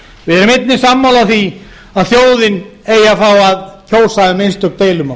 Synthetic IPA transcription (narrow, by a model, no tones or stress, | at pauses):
vɪðɛɾʏmet̪nɪsamːawlaθi | aðθjoːwðɪn | eːjafawaðcʰoːwsaðɪmenst̪ʏp̚t̪eːjlʏma